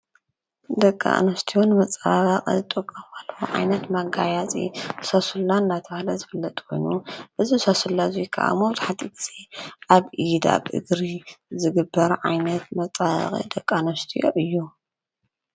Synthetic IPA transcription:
d̪ɐkʼːa̰ʔnɐst̪ʰijonmɐt͡sʼaɣɐqʼḭɨt̪ʼɨkʼːɐmalːwuʕa̰jnɐt̪maɡajat͡sʼḭsasulːaɨnːat̪ʰɐβalɐzɨfɨlːɐt̪ʼkʰo̞̰jnuʔɨzisasulːazijkʰa̰ʔa̰moβt̪ʰħat̪ʼit̪ʰz̥iʔaβʔid̪a̰βɨ̰ɡɾizɨɡɨbːɐɾʕa̰jnɐt̪̚mɐt͡sʼa̰qʼḭd̪ɐkʼːanɐst̪ʰijo̰ʔɨjːu

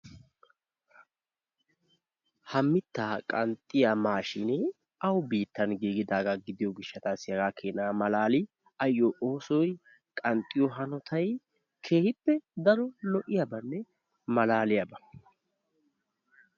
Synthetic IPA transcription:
hɐmːɪt̪ːaːkʼɐnt̪ʼːɪjamaːʃɪnɛ | ɐwbiːt̪ːɐnɡiːɡɪd̪aːɡɐɡɪd̪ɪjɔɡɪʃːɐt̪aːsɪjɐɡaːkʰeːnaːmɐlaːlɪ | ɐjːoːʔoːsɔj | kʼɐnt̪ʼːɪjɔɦɐnɔt̪ʰɐj | kʰeːhɪpːɛd̪ɐɾɔlɔʔɪjɐbɐnːɛ | mɐlaːlɪjɐbɐ

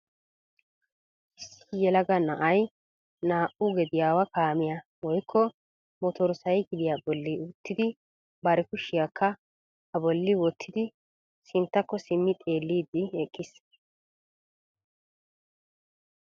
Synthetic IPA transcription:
ʔɪsːɪ̥jɛlɐɡɐnɐʔɐj | naːʔʊɡɛd̪ɪjaːwɐkaːmɪjɐ | wɔjkʰːɔ | mɔt̪ɔɾsɐjɡɪd̪ɪjabɔlːɪʊt̪ːɪd̪ɪ | bɐɾɛkʊʃɪjakʰːɐ | ɐbɔlːɪwɔt̪ʰːɪd̪ɪ | sɪnt̪ːɐkːɔsɪmːɪt̪ʼe̞ːlːiːd̪ːɪɛkʼːɪs

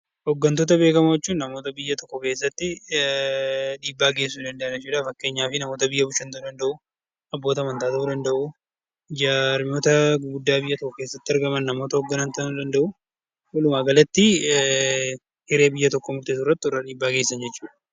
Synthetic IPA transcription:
hɔɡːɐnt̪oːt̪̬ɐbe̞ːkɐmɐjɛt͡ʃːuːnnɐmo̞ːt̪ɐbɪjːɐt̪ɔkːɔkeːsːɐt̪ːɪ | ᶑiːbːaːɡe̞ːsːuːd̪ɐnd̪ɐʔɐd͡ʒɛt͡ʃːuːᶑafɐkːe̞ːɲːaːfɪnɐmoːt̪ɐbɪjːɐbʊʃːɐnt̪ɐd̪ɐnd̪ɐʔʊ | ɐbːo̞ːt̪ɐɐmɐnt̪aːt̪ɐʔud̪ɐnd̪ɐʔu | d͡ʒaːɾmɪo̞ːt̪ɐɡɡʊd̪ːaːbɪjːɐt̪ɔkːʊke̞ːsːɐt̪ːɪɐɾɡɐmɐnːɐmo̞ːt̪ɐhɔɡːɐnɐnt̪ɐnʊd̪ɐnd̪ɐʔʊ | wɐlʊmaːɡɐlɐt̪ːɪ | hɪɾe̞ːbɪjːɐt̪ɔkːɔmʊɾt̪eːsʊrːɐt̪ːɪɔrːɐᶑiːbːaːɡe̞ːsːɐnd͡ʒɛt͡ʃːuːᶑɐ̥

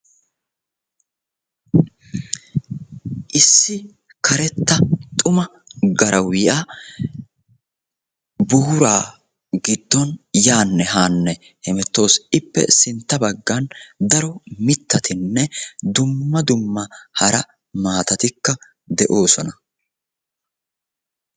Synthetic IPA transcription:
ʔɪsːɪ | kʰɐɾɛt̪ːɐt̪ʼʊmɐ | ɡɐɾɐwɪja | buːɾaː | ɡɪd̪̥ːɔnjaːnːɛɦaːnːɛ | hɛmɛt̪ːo̞ːsɪpːɛ̰sɪnt̪ːɐbɐɡːɐnd̪ɐɾɔmɪt̪ːɐt̪ʰɪnːɛd̪ʊmːɐd̪ʊmːɐhɐɾɐ | maːt̪ɐt̪ɪkːɐ | d̪ɛʔo̞ːsɔnɐ

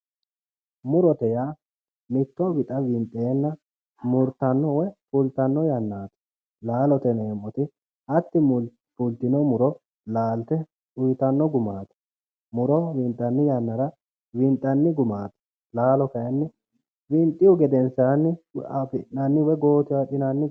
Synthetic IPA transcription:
mʊɾɔt̪ɛjaː | mɪt̪ːɔwɪt̪ʼɐwɪnt̪ʼːeːnːɐ | mʊɾt̪ɐnːɔwɛfʊlt̪ɐnːɔjɐnːaːt̪ɐ̥ | laːlɔt̪ɛneːmːɔt̪ɪ | ʔɐt̪ːɪ | pʊlt̪ɪnɔmʊɾɔ | laːlt̪ɛ | ʊjt̪ɐnːɔɡʊmaːt̪ɐ̥ | mʊɾɔwɪnt̪ʼːɐnːɪjɐnːɐɾɐ | wɪnt̪ʼːɐnːɪɡʊmaːt̪ɐ̥ | laːlɔkɐjɛnːɪ | wɪnt̪ʼːɪjɔɡɛd̪ɛnsɐɐnːɪapɪʔnɐnːɪwɛɡo̞ːt̪ɪwaᶑɪnɐnːɪ

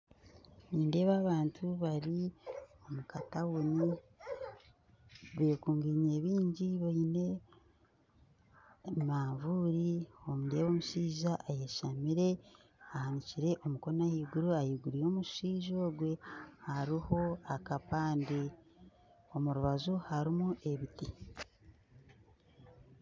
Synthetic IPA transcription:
niːnde̞ːβaːβaːntʰuβaɾio̞mukatawuni | βeːkuːŋɡiɲeːβiːɲɟiβoine̞ | maːɱvuɾiomundeːβoːmuʃiːʒaʔːjeʃamiɾe̞ | ahaniciɾe̞ʔo̞muko̞nahiːɡuɾuajiɡuɾijo̞ːmuʃiːʒoːɡwe̞haɾiho̞akapaːndi | o̞muɾuβazuhaɾimuʔe̞βiti

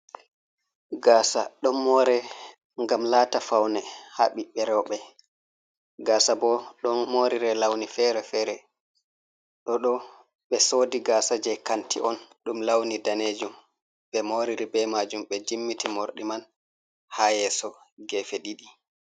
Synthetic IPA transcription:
ɡaːsa̰ɗɔnmɔɾɛ | ŋɡamlaːtafawnɛhaɓiɓɛɾɛwɓɛ | ɡaːsabɔɗɔnmoɾiɾɛlawnifɛɾɛfɛɾɛ | ɗɔɗɔ | ɓɛsoːdiɡaːsad͡ʒɛkantḭʔɔnɗumlawnidaned͡ʒum | ɓɛmoɾiɾibɛmad͡ʒumɓɛd͡ʒimːitimoɾɗiman | haːjɛsɔ | ɡɛfeɗiɗi

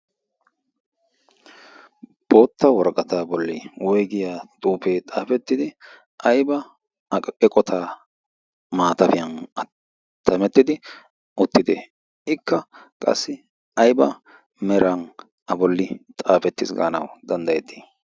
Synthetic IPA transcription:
b̥o̞ːt̪ːɐwɔɾkʼɐt̪aːbɔlːɪwɔjɡɪjaːt̪ʼuːpeːt̪ʼaːfɛt̪ːɪd̪ɪ | ʔɐjbɐ | ɛkʼɔt̪ʰaː | maːt̪ɐfɪjɐnɐ | t̪ːɐmɛt̪ːɪd̪ɪ | ʔʊt̪ːɪd̪ɛ | ɪkːɐ | kʼɐ̰sːɪ | ɐjbɐ̰ | mɛɾɐn | ɐbɔlːɪt̪ʼaːfɛt̪ːɪsɡa̰ːnɐ̰wd̪ɐnd̪ɐjɛt̪ːi̥ː

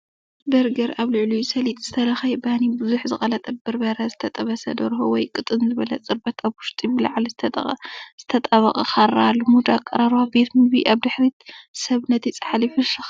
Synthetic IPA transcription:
bɐɾɡɐɾaβlɨʕlujsɐlit̪ʼz̥ɨt̪ʰɐlɐxɐjbanibɨzuħzɨxʼɐlɐt̪ʼɐbɨɾbɐɾɐzɨt̪ʰɐt̪ʼɐβɐsɐ̰d̪ɐɾɦowɔjkʼɨt̪ʼɨnzɨβɐlɐt͡sʼɨɾbɐt̪ʰaβwʊʃt̪ʼibɨlaʕlzɨt̪ʰɐt̪ʼɐ̰χʼɐz̥ɨt̪ʰɐt̪ʼɐβɐχʼɐxarːalɨmud̪akʼːɐɾaɾwabe̞t̪mɨbiʔaβd̪ɨħɾit̪sɐβnɐt̪ʰit͡sʼɐ̥ħalifɨʃɨx

